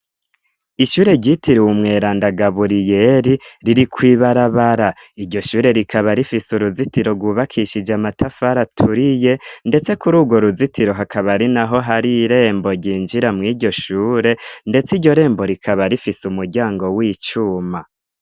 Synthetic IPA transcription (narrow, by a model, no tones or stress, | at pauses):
iʃuːɾe̞ɟitʰiɾiwumŋe̞ːɾaːndaɡaβuɾije̞ɾiɾiɾikwiːβaɾaβaɾa | iɾɟo̞ʃuːɾe̞ɾikaβaɾifisuɾuzitiɾo̞ɡwuːβakʰiʃid͡ʒamatʰafaɾatʰuɾije̞nde̞t͡se̞kuɾuːɡwo̞ɾuzitiɾo̞ɦakʰaβaɾinaɦo̞ɦaɾiɾe̞ːmbo̞ɟiːnd͡ʒiɾamŋiːɟo̞ʃuːɾe̞nde̞t͡siɟɟo̞ɾe̞ːmbo̞ɾikʰaβaɾifisumuɾɟaːŋɡo̞wiːt͡ʃuːma